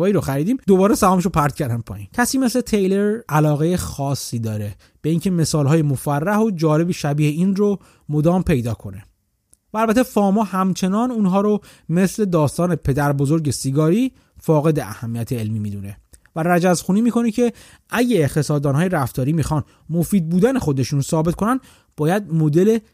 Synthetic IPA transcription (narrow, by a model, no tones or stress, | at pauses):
ɒːiːɾoxæɾiːd̪iːmd̪o̞bɒːɾesæɒːmeʃ̬opʰæɾd̪̥̚cʰæɾd̪æmpʰɒ̰ːjḭːncʰæsiːme̞sle̞t̪ʰejle̞ɾælɒːɣejexɒːsːiːd̪ɒːɾe | b̥eiŋcʰe̞me̞sɒːlɦɒːjemofærːæhod͡ʒɒːle̞biʃæbiːheiːnro | mo̞d̪ɒːmpʰe̞jd̪ɒːkʰo̞ne̞ | væːlbæt̪ʰe̞fɒːmɒːhæmt͡ʃʰe̞nɒːnuːnɦɒːɾo | me̞sle̞d̪ɒːst̪ɒːne̞pʰe̞d̪æɾbozo̞ɾɟe̞siɡɒːɾiː | fɒːɣe̞d̪eʔæ̰hæmːijæt̪ʰeːlmiːmiːd̪une̞ | væræd͡ʒæzxuːniːmiːko̞necʰe̞ | æɟæːxt̪ʰe̞sɒːd̪ɒːnɦɒːjeɾæft̪ɒːɾiːmixɒːn | mo̞fiːd̪̚buːd̪ænexo̞d̪e̞ʃuːnsɒːbet̪ko̞nænd̪ | b̥ɒːjæd̪̚mo̞d̪e̞le̞